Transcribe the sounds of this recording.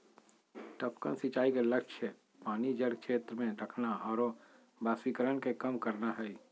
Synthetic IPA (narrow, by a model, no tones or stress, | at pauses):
ʈəpkənsɪt͡ʃaːikelɐkʃʰə | paːnid͡ʒəɽkʃeːt̪ɾəmẽɾəkʰnaɔːɾ | baːsikəɾənkekəmkəɾnaɦɛi